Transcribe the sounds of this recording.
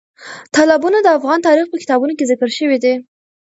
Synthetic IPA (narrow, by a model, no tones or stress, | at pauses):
t̪ɑlɑbunad̪əafɣɑnt̪ɑɾixpəkɪ̥t̪ɑbunokezɪkəɾʃəwid̪e